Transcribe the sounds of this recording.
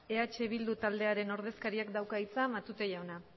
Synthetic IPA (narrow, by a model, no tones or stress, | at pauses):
e̞at͡ʃe̞β̞ild̪ut̪ald̪e̞aɾe̞no̞ɾð̞e̞skaɾiakd̪awkait͡samat̪ut̪e̞ʝawna